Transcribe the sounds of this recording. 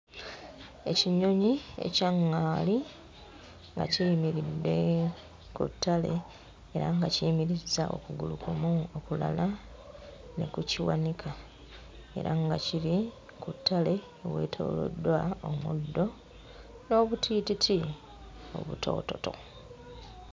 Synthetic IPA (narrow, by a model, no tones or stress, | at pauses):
e̞ciɲo̞ɲie̞̰caŋːaːli | ŋɡa̰ciimiɾidːe̞ | kṵtːale̞ | eɾaŋɡacimiɾizːaʔo̞kuɡulukumuokula̰la | ne̞̰kuciwanikʰa | e̞̰ɾaŋɡaciɾi | kutːale̞ | owe̞̰ːtʰo̞̰ːlo̰dwaomudːo̞ | no̞ːβutʰiːtitʰi | o̞̰βṵtʰo̞̰ːto̞to̞̰